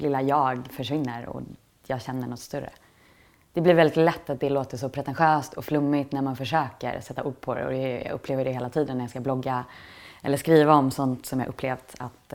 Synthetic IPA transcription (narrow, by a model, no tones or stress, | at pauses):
lɪlːajɑːɡfœʂvɪnːəɾɔ̰ | jɑːɡɕɛnːəɳɔt̪ːst̪ɵɾə̰ | d̪̥ɛblɪɾvɛlɪt̪lɛt̪ːat̪̚d̪ɛloːt̪əʂɔpʰɾɛt̪ɛnɧøːst̪ʰɔflɵmːɪt̪næɾmanfœʂøːkə̰ɾsɛt̪ːaʔuːɖ̚pʰɔɾɛ̰ɔ̰d̪ɛjɑ̰ɵpʰːleːvəɖɛheːlat̪ʰiːd̪ənːæɾjɑskablɔɡːaɛ̰lːəʂkɾiːvaɔmsɔnt̪sɔmjɑ̰ːʔɵpːleːvd̪at̪